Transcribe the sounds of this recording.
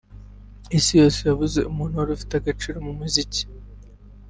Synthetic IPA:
isijo̞ːsejaβuze̞̰ʔumuːn̤huaɾufi̥teaɡat͡ʃiːɾomumuzici̥

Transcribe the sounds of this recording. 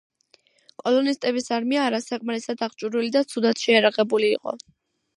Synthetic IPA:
kʼɔlɔnist̪ʼɛbisaɾmiaːɾasakʼmaɾɛsad̪aʁt͡ʃʼuɾwilid̪at̪sʰud̪at̪ʰʃɛjaɾaʁɛbuliːqʼɔ̰

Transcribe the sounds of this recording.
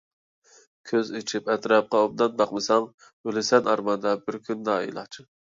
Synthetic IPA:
kʲʰøzit͡ʃʰipɛt̪ɾɑp̚qɑob̚d̪ɑnbɑqmɨsɑŋ | ølɪsɛnʔɑɾmɑnd̪ɑbɪɾkʲʰynd̪ɑḭlˠɑ̰t͡ʃʰɨ

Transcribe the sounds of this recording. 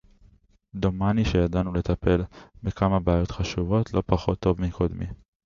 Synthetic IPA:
d̪o̞maniʃejadanule̞t̪ape̞lbekamabeajo̞t̪χaʃuvo̞t̪ʰlo̞paχo̞t̪ːo̞vmikʰod̪mḭ

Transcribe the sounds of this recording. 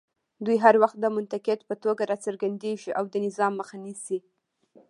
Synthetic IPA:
d̪ujɦaɾwaxt̪̚d̪əmʊnt̪aked̪pət̪oɡaɾɑt͡səɾɡand̪eʒiʔawd̪ənɪzɑmːəxanisi

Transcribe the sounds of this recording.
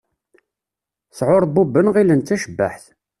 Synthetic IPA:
sʕʊɾˤbubːənʁilənt̪ːæʃəbːa̰ħθ

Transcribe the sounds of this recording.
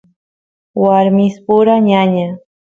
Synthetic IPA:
waɾmɪspʊɾaɲaɲa

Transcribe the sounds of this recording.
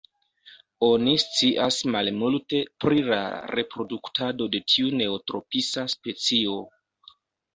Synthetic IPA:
o̞nist͡siʔasmalmulte̞pɾila̰ɾe̞pɾo̞duktʰado̞de̞tʰiune̞otɾo̞pisaspe̞t͡sio̞

